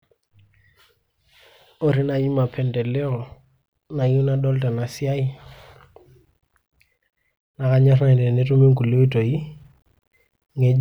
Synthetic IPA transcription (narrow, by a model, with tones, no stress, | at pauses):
ɔ˦ɾi˦na˨ji˦ma˨pʰɛ˨ndɛ˨lɛ˦ɔ˨ | na˨ju˦na˦dɔ˦lta˨na˨si˦a˦i˦ | na˨ka˦ɲa˦ɾa˦˨ndɛ˨nɛ˦tu˦mi˦ŋku˨li˦wi˦to˨i˦ | ŋɛ˦